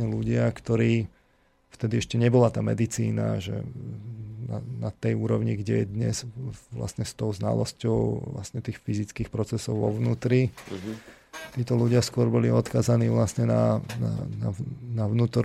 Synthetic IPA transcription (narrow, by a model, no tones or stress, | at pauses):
ɲɛluɟɪakt̪ɔɾiː | ft̪ɛd̪iɛʃcɛɲɛbɔlat̪aːmɛd̪it͡siːna̰ʒɛ̰ | na̰nat̪ɛjuːɾɔʊɲiɡɟɛjɛd̪ɲɛzʋla̰sɲɛst̪ɔʊzna̰lɔ̰scɔʊʋla̰stɲɛt̪iːxfizit͡skiːxpɾɔt͡sɛsɔʊʋɔʋnuːt̪ɾi | t̪iːt̪ɔluɟɪaskʊɔɾbɔliɔt̪kaːzaniːʋlasɲɛna̰na̰na̰naʋnuːt̪ɔɾ